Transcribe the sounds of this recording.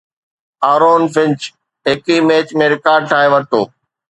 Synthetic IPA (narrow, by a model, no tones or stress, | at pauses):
aːɾoːnfɪ̃ɲt͡ɕ | ɦɪkimeːt͡ɕmẽɾɪkaːɾɖ̚ʈʰaːẽʋɐɾt̪oː